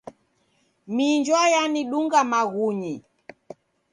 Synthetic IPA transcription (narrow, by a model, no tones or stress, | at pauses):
miɲd͡ʒwajaniɗuŋɡamaɣuɲi